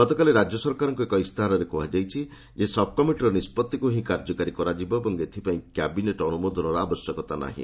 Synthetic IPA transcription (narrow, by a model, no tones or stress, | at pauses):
ɔt̪ɔkaleɾad͡ʒjɔsɔɾkaɾɔŋkuekɔist̪ʰaɾɔɾekɔɦad͡ʒajt͡ʃʰi | d͡ʒesɔb̚kɔmiʈɾɔnispɔt̪ːikuɦĩkaɾd͡ʒɔkaɾikɔɾad͡ʒibɔebɔŋɡet̪ʰipaĩkjabineʈɔnumod̪ʱɔnɔɾɔabɔsjɔkɔt̪ana̰ɦḭ̃